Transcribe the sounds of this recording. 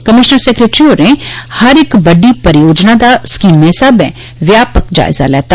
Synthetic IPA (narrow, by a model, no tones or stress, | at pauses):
kɐmɪʃnəɾsekɾeːʈɾioːɾẽhɐɾekbɐɖipɐɾɪjoːd͡ʒnad̪askiːmmẽɪsaːbɛ̰̃ | ʋjaːpəkd͡ʒa̰ːɪza̰lɛ̰ːt̪a